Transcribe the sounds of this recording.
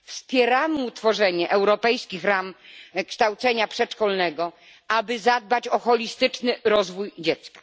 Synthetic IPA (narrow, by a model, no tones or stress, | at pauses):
fspʲjɛɾamɘut̪fɔʐɛɲɛʔɛwɾɔpɛjskʲixɾamkʂt̪awt̪sɛɲapʂɛt͡ʂkɔlnɛɡɔ | abɘzad̪̚bat͡ɕɔxɔlʲist̪ɘt͡ʂnɘɾɔzvujd͡ʑɛt̪skḁ